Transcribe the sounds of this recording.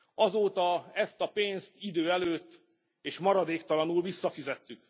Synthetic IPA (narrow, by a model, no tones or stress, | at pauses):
ɒzoːt̪ɒɛst̪ɒpeːnst̪id̪øːɛløːt̪ː | eːʃmɒɾɒd̪eːkt̪ɒlɒnulvisːɒfizɛt̪ːyk